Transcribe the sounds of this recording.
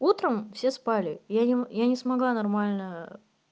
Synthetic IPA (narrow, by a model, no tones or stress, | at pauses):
ut̪ɾəmfsʲe̞spalʲɪjanʲɪjanʲɪsmɐɡlˠanɐrmalʲnə